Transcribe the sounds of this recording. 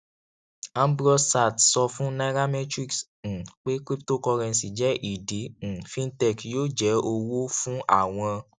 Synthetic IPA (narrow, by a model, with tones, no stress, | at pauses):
ã˦m˦bɾɔ˧sa˨tsɔ˧fũ˦na˧˦ɾa˦mɛ˦tɾi˦ks̩˨ | k͡pe˦kɾi˦pto˦˨kɔ˧ɾɛ̃˧n˨si˨d͡ʒɛ˨˦ʔi˦˨dẽ˨˦˨fĩ˦n˦tɛ˦˨kjoː˦˨d͡ʒɛ˨˦o˧wo˦fũ˦ʔa̰˦˨w̃ɔ̃˧